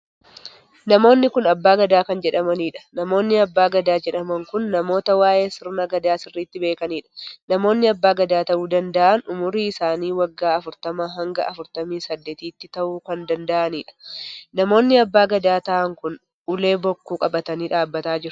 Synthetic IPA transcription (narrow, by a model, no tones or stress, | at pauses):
nɐmo̞ːnːɪkʊnɐbːaːɡɐd̪aːkɐnd͡ʒɛᶑɐmɐniːᶑɐ̥nɐmo̞ːnːɪɐbːaːɡɐd̪aːd͡ʒɛᶑɐmɐŋkʊnːɐmo̞ːt̪ɐwaːʔe̞ːsɪɾnɐɡɐd̪aːsɪrːiːt̪ːɪbe̞ːkɐniːᶑɐ̥nɐmo̞ːnːɪɐbːaːɡɐd̪aːt̪ɐʔuːd̪ɐnd̪ɐʔɐnʊmʊɾiːɪsaːniːwɐɡːaːɐfʊɾt̪ɐmaːɦɐŋɡɐ̰ʔɐfʊɾt̪ɐmiːsɐd̪ːe̞ːt̪iːt̪ːɪt̪ɐʔuːkɐnd̪ɐnd̪ɐʔɐniːᶑɐ̥nɐmo̞ːnːɪɐbːaːɡɐd̪aːt̪ɐʔɐŋkʊn | ʔʊle̞ːbɔkːuːkʼɐbɐt̪ɐniːᶑaːbːɐt̪aːd͡ʒɪɾɐ̥